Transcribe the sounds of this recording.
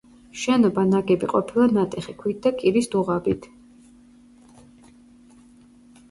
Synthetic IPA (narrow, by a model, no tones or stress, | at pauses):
ʃɛnɔbanaɡɛbiqʼɔpʰilˠanat̪ʼɛχikʰwit̪̚d̪akʼiɾisd̪uʁabit̪ʰ